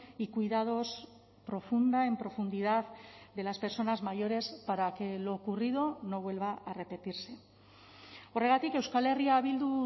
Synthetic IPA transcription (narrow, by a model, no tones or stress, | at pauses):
ikuiðað̞o̞s | pɾo̞fund̪ae̞mpɾo̞fund̪iðaððe̞laspe̞ɾso̞nazmaʝo̞ɾe̞spaɾake̞lo̞ːkurið̞o̞no̞β̞we̞lβaʔare̞pe̞t̪iɾse̞ | oreɣat̪ike̞wskale̞riaβild̪u